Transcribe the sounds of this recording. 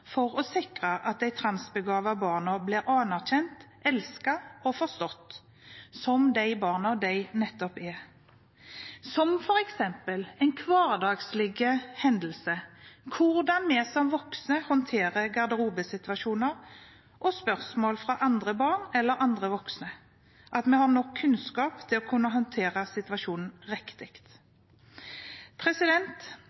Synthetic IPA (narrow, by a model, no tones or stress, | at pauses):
fɔɾɔsɪkʁəʔɑt̪̚d̪æɪt̪ʰɾɑnsbəɡɑːʋɑbɑːʁnɔblɪɾɑːnæʁçɛnt̪ | ɛlskɑɔfɔʁst̪ɔt̪ː | sɔmd̪æɪbɑːʁnɔd̪æɪnɛt̪ːɔpɛ | sɔmfɔɾɛksɛmpəlɛɪnkʰʋɑːʁd̪ɑːɡslɪɡəhɛnd̪əlsəkʰʊʁd̪ɑnmɛsɔmʋɔksnəhɔnt̪ʰeːʁəɡɑʁd̪əʁuːbəsɪt̪ʋɑʃuːnəɾ | ʔɔspœʁsmoːlfɾɑʔɑnd̪ʁəbɑːʁnɛlːəɾʔɑnd̪ʁəʋɔksnə | ʔɑt̪mɛhɑnɔkʰːʉnskɑːpt̪ʰɪlɔkʰʉnːəɦɔnt̪ʰeːʁəsɪt̪ʉʋɑʃuːnn̩ʁɛkt̪ɪkt̪ | pʰʁɛsɪd̪ɛnt̪